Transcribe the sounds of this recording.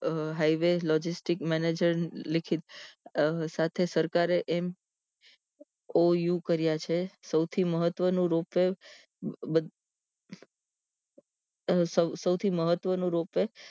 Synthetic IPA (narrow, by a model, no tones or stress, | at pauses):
ɦaiʋelɔd͡ʒisʈikmɛned͡ʒəɾlɪkʰit̪ | sat̪ʰesəɾkaɾeʔem | ojukəɾjat͡ʃʰesəwt̪ʰiməɦət̪ʋənũɾope | bəd̪ | səsəwt̪ʰiməɦət̪ʋənũɾope